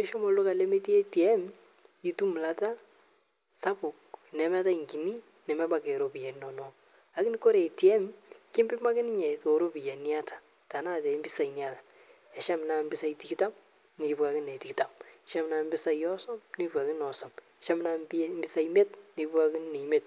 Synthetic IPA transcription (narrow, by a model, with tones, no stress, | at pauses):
ɛ˦ʃɔ˦mɔ˨lʊ˦ka˨le˦me˦ti˦ɛ˦ti˨ɛ˦m | i˦tu˦m˨la˨ta˦ | sa˦pʊ˨k̚nɛ˨mɛ˦ta˦i˨ŋɡi˨ni˦ | nɛ˨mɛ˦ba˨ke˨ɾo˨pi˨ja˨nɔ˨nɔ | a˦kɪ˦ni˦kɔ˦ɾɛ˨tjɛ˦mkɪ˦mbɪ˦ma˦kɪ˦nɪ˦ɲɛ˨to˨ɾo˦bi˨jɛ˨ni˦a˦tḁ˨ | ta˨na˦˨tɛ˨˦mbɪ˦sa˨i˨nja˦tḁ | ɛ˨ʃa˦mɪ˨na˨mbɪ˦sa˦iti˨kita˦m | nɪ˨kɪ˨pka˨kɪ˦nɛ˨ti˨kta˦mɛ˨ʃa˦mɪ˨na˨mbɪ˦sa˨ijɔ˦sɔ˦mnipka˨kɪ˦nɔ˨sɔ˨me˨ʃa˦mɪ˦na˦bmbɪ˦sa˦imɛ˦tni˨kɪ˦pu˦ka˦kɪ˦nne˨i˨me˦t̚